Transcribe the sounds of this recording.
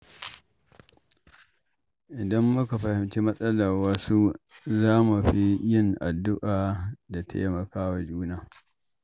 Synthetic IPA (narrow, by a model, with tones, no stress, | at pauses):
ʔɪ˨dɐ˦mːʊ˦ka˨ɸɐ˨hɪ˨mt͡ʃi˦mɐ˦sʼɐ˦laː˨wɐ˦su˦zaː˦mu˨ɸi˦jɪ˦ŋʔa˨dːʊ˦ʔaː˨da˨tʰa̰˦jmɐ˨kaː˦wa˨d͡ʒuː˦naː˨